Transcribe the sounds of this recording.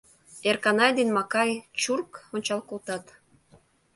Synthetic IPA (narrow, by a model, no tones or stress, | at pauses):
erkɑnɑjd̪enmɑkɑjt͡ɕurkonʲt͡ɕɑlkolt̪ɑt̪